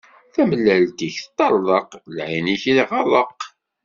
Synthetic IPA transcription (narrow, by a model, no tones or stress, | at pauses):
θæməlːælt̪iç̥t̪ˤːɑɾˤːəqlʕiniçilʁɑðˤəq